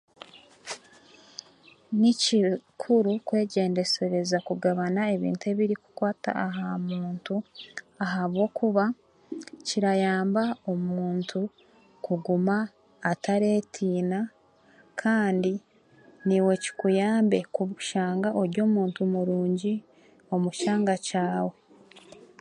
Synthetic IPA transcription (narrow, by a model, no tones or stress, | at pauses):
nicikʰuɾukwe̞ːɟe̞ːnde̞seɾe̞zakuɡaβanae̞βḭːntue̞βiɾiku̥kwaːta̰aɦamuːntu | aɦaβwo̞ːkʰuβa | ciɾajaːmbao̞muːntʰu | kuɡumaː | taɾe̞ːtʰiːna | kʰaːndi | niwe̞ci̥kujaːmbe̞kuβuʃaːŋɡaʔo̞ɾɟoːmuːntumuɾuːɲɟi | o̞muʃaːŋɡacaːwe̞